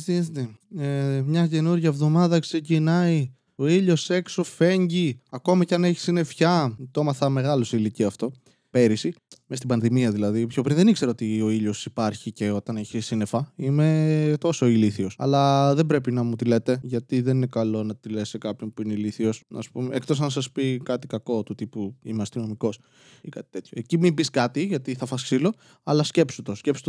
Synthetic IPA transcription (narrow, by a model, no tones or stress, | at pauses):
sist̪eemɲɐce̞nuɾʝɐevðo̞mɐðɐkse̞cinɐi | o̞iʎo̞se̞kso̞fe̞ɲɟiɐko̞mɐcɐne̞çi̥sine̞fçɐt̪omɐθɐme̞ɣɐloseiliciɐft̪o̞ | pe̞ɾisimest̪ibɐnðimiɐðilɐðipço̞pɾinðenikse̞ɾɐot̪io̞iʎo̞sipɐɾçice̞o̞t̪ɐneçisine̞fɐime̞t̪o̞so̞iliθiosɐ̰lɐðe̞bɾe̞pinɐmut̪ile̞t̪e̞ʝɐt̪iðenine̞kɐlo̞nɐt̪ile̞sekɐpço̞npuineiliθio̞snɐ̰supumeek̚t̪osɐnɐsɐspikɐt̪ikɐko̞t̪ut̪ipuḭmeɐst̪ino̞miko̞s | ikɐt̪i̥t̪e̞t̪çoecimimbiskɐt̪iʝɐt̪iθɐfɐsksilo̞ | ɐlɐsce̞psut̪o̞scpsu̥t̪